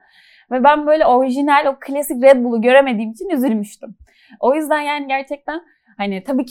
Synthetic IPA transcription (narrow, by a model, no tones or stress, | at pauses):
vɛbænbø̞jlʲɛo̞ɾiʒinælʲo̞kʰɯlʲasicɾɛd̪̚bulˠuɟø̞ɾe̞me̞d̪iːmit͡ʃʰinyzylʲmyʃt̪ym | o̞jyzd̪anjaːniɟæɾt͡ʃʰɛc̚t̪ʰæn | hanɪt̪ʰabiːcʰ